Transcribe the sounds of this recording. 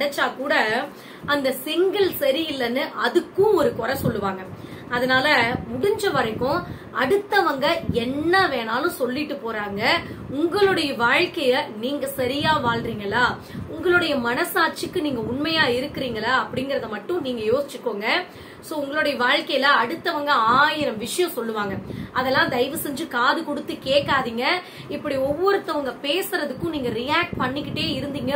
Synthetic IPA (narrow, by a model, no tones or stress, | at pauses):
ɽɐt͡ʃːaːkuːɽɐ | ɐnd̪ɐsɪŋɡɐlsɐɾɪɪlːɐnːɯʔɐðɯkːʊ̃ɔɾɯkɔɾɐsɔlːɯʋaːŋɡɐɐðɐnaːlɐmʊɽɪɲd͡ʒɐʋɐɾɐɪkːʊ̃ | ɐɽɯt̪ːɐʋɐŋɡɐɛnːɐʋeːnaːlʊ̃sɔlːɪʈːɯpoːɾaːŋɡɐʊŋɡɐɭɯɽɐjɐʋaːɻkɐjɐniːŋɡɐsɐɾɪjaːʋaːɭɾiːŋɡɐlːaː | ʊŋɡɐɭɯɽɐjɐmɐnɐsaːɾt͡ʃɯkːɯniːŋɡɐʊɳmɐjaːɪɾɯkːɪɾiːŋɡɐlaɐpːɐɽɪŋɡɪɾɐðɯmɐʈːʊ̃niːŋɡɐjoːsɪt͡ʃːɯkːoːŋɡɐ | soːʊŋɡɐɭʊɽɐjɐʋaːɻkɐjlɐɐɽɯt̪ːɐʋɐŋɡɐaːjɪɾɐmʋɪʂɐjɐ̃sɔlːɯʋaːŋɡɐʔɐðɛlːãːd̪ɐɪʋɯsɛɲd͡ʒɯkaːðɯkɔɽɯt̪ːɯkeːʈːaːðiːŋɡɐ | ɪpːɐɽiɔʋːɔɾɯt̪ːɐʋɐŋɡɐpeːsɯɾɐðɯkːʊ̃niːŋɡɐɾɪjaːk̚ʈ̚pɐɳːɪkːɪʈːeːɪɾɯnd̪iːŋɡɐ